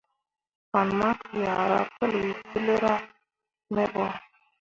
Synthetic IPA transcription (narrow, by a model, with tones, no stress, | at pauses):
ka˨n˨ma˦kja˨ɾa̰˦pə˦lwi˨si˦le˦ɾa˦ | mɛ˦bɔ˦